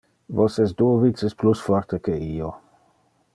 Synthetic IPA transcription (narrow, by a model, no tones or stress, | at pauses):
vosɛst̚d̪uovit̪sesplusfɔɾt̪ekeio